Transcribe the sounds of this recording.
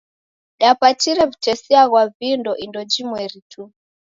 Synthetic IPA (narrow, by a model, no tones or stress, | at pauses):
ɗapat͡ʃiɾɛvutɛsiaɣwavindɔʔindɔd͡ʒimwɛɾitu